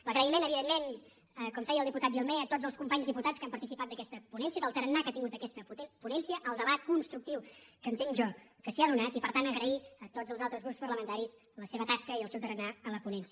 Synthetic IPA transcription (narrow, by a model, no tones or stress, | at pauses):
ləɣɾəimenəβiðemːen | əkɔmfɛjəlˠd̪iput̪at̪ʒilˠmɛət̪odzəlˠskumpaɲzðiput̪at͡skampəɾt̪isipat̪̚d̪əkɛst̪əpunɛnsiəðəlˠt̪əɾənːakat̪iŋɡut̪əkɛst̪əpunɛnsijəʔəlˠd̪əβat̪̚kunst̪ɾuk̚t̪iwkənt̪eŋʒɔkəsiaðunat̪ipəɾt̪anəɣɾəiət̪od͡zəlˠzalˠt̪ɾəzɣɾupspəɾləmənt̪aɾis | ləseβət̪askəiəlˠsɛwt̪əɾənaələpunɛnsiə